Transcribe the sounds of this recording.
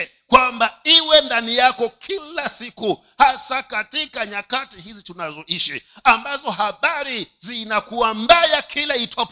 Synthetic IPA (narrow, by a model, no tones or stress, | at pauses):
kwambaiwɛndanijakɔkʰilasiku | hasakatikaɲakatihizitunazɔʔiʃiambazɔɦaɓaɾizinakuwambajakʰilaitʰɔp